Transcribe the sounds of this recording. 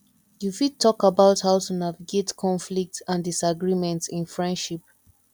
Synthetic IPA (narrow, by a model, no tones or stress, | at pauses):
jufid̚tʰːɔkabaʊthaʊtunaviɡetkʰɔ̃nflik̚tãndisaɡɹimɛ̃ntsĩnfɹɛ̃ndʃip